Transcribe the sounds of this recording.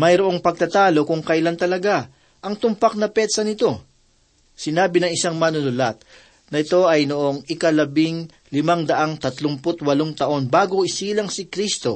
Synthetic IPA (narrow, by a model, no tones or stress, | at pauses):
mɐjɾoʔo̞ŋpɐɡ̚t̪ɐt̪aːlo̞kʊŋkɐjlant̪ɐlɐɡa | ʔɐŋt̪ʊmpak̚nɐpɛd̪sɐnɪt̪o̞ | sɪnaːbɪnɐŋɪsaŋmɐnʊnʊlat̪̚ | nɐɪt̪o̞ɐjnoʔo̞ŋɪkɐlɐbiŋ | lɪmaŋd̪ɐʔaŋt̪ɐt̪lʊmpʊt̪wɐloŋt̪ɐʔo̞nbaːɡoʔɪsiːlɐŋsɪkɾist̪o̞̰